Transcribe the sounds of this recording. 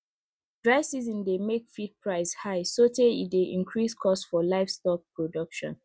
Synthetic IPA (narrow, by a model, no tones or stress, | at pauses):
d̥ɹaɪsizĩndemekfit̚pɹaɪshaɪsoteḭdeʔĩnkʰɹiskʰɔstsfɔlaɪfstɔk̚pɹodʌkʃɔ̰̃n